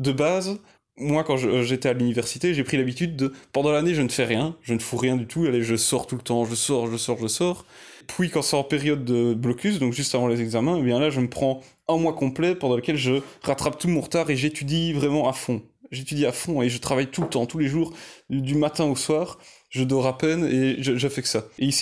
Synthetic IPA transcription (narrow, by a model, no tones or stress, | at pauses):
d̪əbaz | mwakɑ̃ʒəʒet̪ɛalynivɛʁsi̥t̪eʒepχilabit̪yd̪ːəpɑ̃d̪ɑ̃laneʒənəfɛʁjɛ̃ʒənəfuʁjɛ̃d̪yt̪ʰualeʒəsɔʁt̪ult̪ɑ̃ʒəsɔʁʒəsɔʁʒəsɔːʁpʰɥikɑ̃sɛɑ̃peʁjɔd̪ːəblɔkʲysd̪ɔ̃kʒyst̪avɑ̃lezɛɡzamɛ̃ebjɛ̃laʒəməpχɑ̃ | ɛ̃mwakɔ̃plɛpɑ̃d̪ɑ̃ləkʲɛlʒəʁat̪χap̚t̪umɔ̃ʁət̪aʁeʒet̪yd̪ivʁɛmɑ̃afɔ̃ʒet̪yd̪iafɔ̃eʒət̪χavajt̪ulət̪ɑ̃t̪uleʒuʁd̪ymat̪ɛ̃oswaːʁ | ʒəd̪ɔʁapɛneʒəʒəfɛksaeisi̥